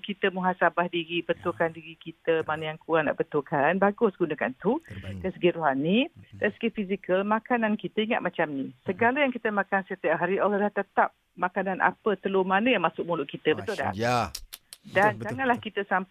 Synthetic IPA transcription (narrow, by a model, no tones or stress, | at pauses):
kit̪əmuɦasabahdiɾibət̪ukandiɾikit̪əmanəjaŋkuana̰ʔbət̪ukanbaɡʊsɡunəka̰nt̪ud̪asəɡɪʔ̪̚roɦanit̪əsə̥ɡɪt̪fizikəlmãkanankit̪əiŋa̰t̪̚mat͡ʃamnisəɡaləjaŋkit̪əmakansat̪ijaʔɦaɾiʔolalaht̪ət̪ap̚ | makananʔa̰pət̪əlomanəjaŋmasʊk̚mulʊʔkit̪əbət̪ʊda̰h | dand͡ʒaŋanlahkit̪əsamp